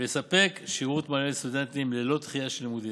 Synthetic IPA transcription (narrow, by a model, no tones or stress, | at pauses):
esape̞kʃiʁut̪malemst̪ud̪ent̪imlelo̞t̪χijaʃelmud̪i